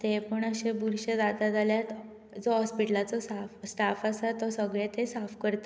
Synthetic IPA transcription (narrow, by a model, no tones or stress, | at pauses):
t̪epəɳəɕebuɾɕed̪at̪ad͡zaljat̪ | d͡zɔɦɔspiʈlat͡sɔsafsʈafasat̪ɔsəɡɭet̪esafkəɾt̪ə